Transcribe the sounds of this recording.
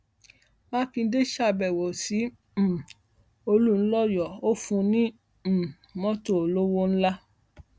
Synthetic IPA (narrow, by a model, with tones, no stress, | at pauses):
mã˦kĩ˧˦de˦ʃa˦˨bɛ˨wɔ˨sĩ˨˦˨ | o˧lu˦˨n̩˦lɔ˦jɔ˨o˦fũ˧nĩ˦˨ | mɔ̃˦to˦˨o˨lo˦wo˦ñ̩˦la˦